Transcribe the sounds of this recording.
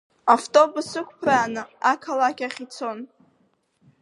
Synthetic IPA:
aftʼo̞busɨkʷʰpʰraːnɨakʰalakʲaχʲit͡sʰon

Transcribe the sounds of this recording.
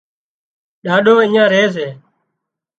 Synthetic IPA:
ɗaːɗoːĩːãːɾeːs̬eː

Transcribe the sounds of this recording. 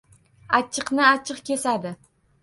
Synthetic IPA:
at͡ʃʰːɨqnɪat͡ʃʰɨqkʲe̞sad̪ɪ

